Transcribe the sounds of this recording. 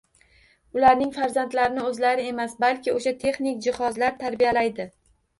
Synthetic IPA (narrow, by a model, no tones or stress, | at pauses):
ʊlaɾnɪŋfaɾzant̪laɾɪnɪɵzlaɾɪe̞masbalkʲɪoʃat̪ʰe̞χnɪkʲd͡ʒɪhɒzlaɾt̪ʰaɾbijalajd̪ɪ